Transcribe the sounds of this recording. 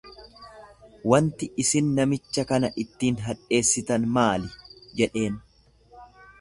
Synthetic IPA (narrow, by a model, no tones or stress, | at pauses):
wɐnt̪ɪɪsɪnːɐmɪt͡ʃːɐkɐnɐʔɪt̪ːiːnɦɐᶑʼe̞ːsːɪt̪ɐnmaːlɪd͡ʒɛᶑe̞ːn